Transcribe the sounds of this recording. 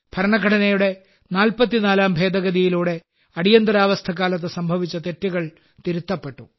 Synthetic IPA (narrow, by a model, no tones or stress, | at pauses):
b̥ʱɐɾɐɳɐkʰːɐɽɐnɐjuɽe̞ | naːlpɐt̪̬ːinaːlaːmbʱe̞ːd̪ɐɣɐd̪ijiluːɽe̞ | ɐɽijɐnd̪ɐɾaːʋɐst̪ʰɐkːaːlɐt̪ːesɐmbʱɐʋit͡ɕːɐt̪e̞tːiɣɐɭ | t̪iɾut̪ːɐpːe̞ʈːṵ